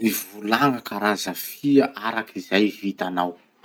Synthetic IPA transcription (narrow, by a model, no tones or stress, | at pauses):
ivulaŋakaɾazəfiaʔaɾakizajvit̪anaw